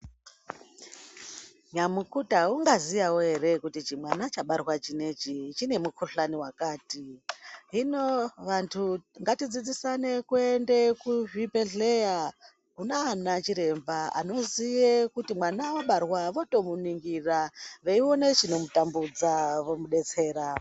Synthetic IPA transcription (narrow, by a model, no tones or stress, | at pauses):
ɲamukutauŋɡazijawoɦe̞ɾe̞kutit͡ʃimwanat͡ʃaɓarwat͡ʃine̞t͡ʃit͡ʃine̞mukʰuɬaniwakaːtiɦinoʋantʰuŋɡatid͡zid͡zisane̞kuende̞kuʐipe̞ɮe̞ja | kunaːnat͡ʃiɾe̞mbaa̰no̞zijekutimwanawoɓarwaʋo̞to̞muniŋɡiraʋeio̞net͡ʃino̞mutambud͡zaʋo̞muɗe̞t͡se̞ːɾa